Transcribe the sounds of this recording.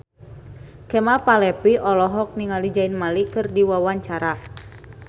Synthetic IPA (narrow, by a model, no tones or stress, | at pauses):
kɛmapalɛpiʔɔlɔɦɔk̚niŋalid͡ʒainmalikɨrdiwawaɲt͡ʃaɾa